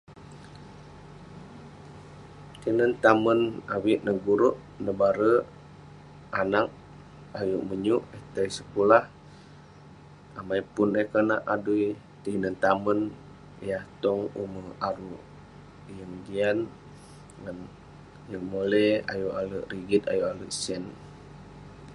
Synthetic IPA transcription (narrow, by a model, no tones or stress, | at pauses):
t̪inənt̪amənawiʔnəɡuɾuʔ | nəbaɾə | anak̚ | ajuʔməɲuʔəht̪əjsəkulah | amajpunəhkənaʔaduj | t̪inənt̪amən | jaht̪ɔŋuməaɾu | jəŋd͡ʒian | ŋan | jəŋmolea̰juʔaləʔɾiɡit̪̚ajuʔaləʔsɛn